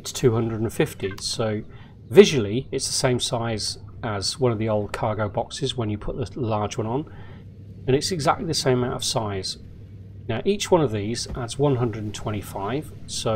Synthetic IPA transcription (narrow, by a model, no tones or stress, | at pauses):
tstʰʉːhʌ̃ndɹədə̃n̩fɪftisoʊ | vɪʒwl̩ˠiɪtsðəsẽɪ̃msaɪzəzwʌ̃nəvðioʊlˠd̚kʰɑːɡoʊbɒksɪzwə̃njəpʰʊʔðəlɑːd͡ʒwʌ̃nə̃n | ə̃ɾ̃ɪtsɨɡzak̚tˡliðəsẽɪ̃məmãʊ̃tə̥saɪz̥ | naʊʔiˑt͡ʃwʌ̃nəvðizʔadzwʌ̃nɦʌ̃ndɹədⁿn̩tʰw̥ɛ̃ɾ̃ifaɪv̥soʊ